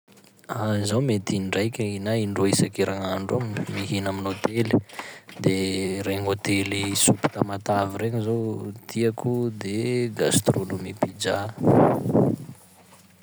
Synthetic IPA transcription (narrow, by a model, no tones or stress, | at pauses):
azawmet̪inɳɖ͡ʐajkʲainaiɳɖ͡ʐoisakiɾaŋaɳɖ͡ʐommiɦinaminot̪elid̪eɾeɲot̪elisupi̥t̪amat̪aviɾeɲizowt̪iakud̪eɡast̪ronomipid͡ʒa